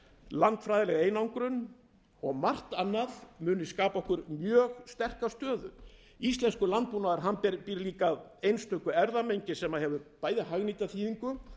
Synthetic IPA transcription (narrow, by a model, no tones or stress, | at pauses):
lant̪fɾaːjðɪlɛɣaeːjnawŋkɾʏn | ɔɣmar̥t̪anːaðmʏːnɪskaːpaɔhkʏɾmjœːɣst̪ɛr̥kast̪œːðʏ̰ | ist̪lɛnskʏlant̪̚puːnaðaɾɦanpiɾliːkaðejnst̪ʰœkʏɛɾðamejɲcɪsɛmaðhɛvʏpaːjðɪɦaɣniːt̪aθʰiːðiŋkʏ